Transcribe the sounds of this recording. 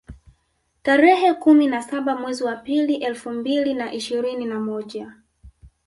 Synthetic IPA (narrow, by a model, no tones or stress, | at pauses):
taɾɛhɛkuminasaɓamwɛziwapiliʔɛlfumbilinaʔiʃiɾininamɔʄa